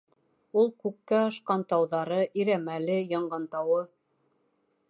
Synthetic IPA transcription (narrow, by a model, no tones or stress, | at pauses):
ulˠkʉkːæɑʃqɑnt̪ɑwðɑɾɤʔiɾæmælɘjɑɴɢɑnt̪ɑwɤ